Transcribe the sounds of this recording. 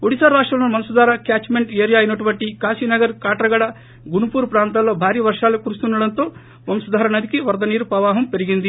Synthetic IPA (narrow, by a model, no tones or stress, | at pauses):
uɽisaɾaːʂʈɾɐlɐnumɐnsud̪aːɾɐkjaːt͡ʃmeɳɖeːɾijaːɐnːɐʈuʋɐʈːikaːsiːnɐɡɐɾkaːʈɾɐɡɐɽɐ | ɡuɳupuːɾupɾaːnt̪̬alːo̞ːbʱaːɾiːʋɐɾʂaːlekuɾust̪unːɐɽɐnt̪oː | mɐmsud̪aːɾɐnɐd̪ikiʋɐɾd̪ɐniːɾupɐʋaːɦɐmpeɾiɡind̪i